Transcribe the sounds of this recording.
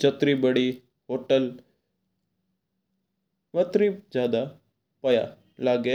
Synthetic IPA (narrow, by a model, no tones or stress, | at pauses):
d͡ʒət̪ɾibəɽi | ɦoːʈəl | ʋət̪ɾid͡ʒjaːd̪a | pɐja̰ | laːɡe